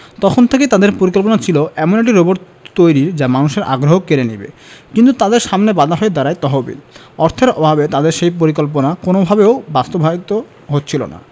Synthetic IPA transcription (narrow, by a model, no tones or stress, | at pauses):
t̪ɔkʰont̪ʰeket̪ad̪eɾpoɾikolp̬onat͡ɕʰiloʔɛmoneʈ̬iɾoboɾ | t̪ojɾiɾd͡ʑamanuʃeɾʔa̰ɡɾoɦokeɾenḭbḛkint̪ut̪ad̪eɾʃamnebad̪ʱaɦɔed̪aɾajt̪ɔɦobḭl | ɔɾt̪ʰeɾɔbʱabet̪ad̪eɾʃejpoɾikolp̬onakonobʱabeobast̪obʱait̪o | ɦot̪ːt͡ɕʰilo̰na̰